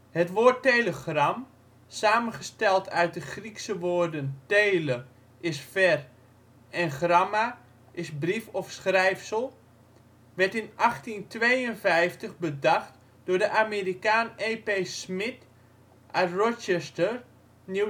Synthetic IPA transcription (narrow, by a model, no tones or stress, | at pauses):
hətʋoːrteləχram | saːmənχəstɛlˠtʰœɥt̚dəχriksəʋoːrdənteːlə | ʔɪsfɛr | ɛnχrama | ʔɪsbrifɔfsχrɛjfsəlˠ | ʋɛɹtɪnʔaxtintʋeːənvɛjftəɣbədaxt | d̥ʊːɹdəʔamerikaːneːpesmɪt | ʔarɔt͡ʃɛstər | nju